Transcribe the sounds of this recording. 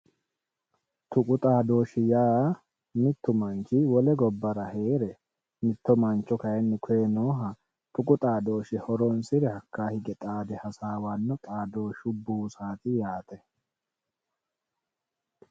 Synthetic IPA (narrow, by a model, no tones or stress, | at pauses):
t̪ʊkʼʊt̪ʼaːd̪o̞ːʃɪjaː | mɪt̪ːʊmɐnt͡ʃɪwɔlɛɡɔbːɐɾɐhe̞ːɾɛ | mɪt̪ːɔmɐnt͡ʃːɔkɐjɛnːɛkʰʊɛnoːɦɐ | t̪ʊkʼʊt̪ʼaːd̪o̞ːʃɪhɔɾɔnsɪɾɛhɐkːaːhɪɡɛt̪ʼaːd̪ɛhɐsaːwanːɔt̪ʼaːd̪o̞ːʃʊbuːsaːt̪ɪjaːt̪ʼɛ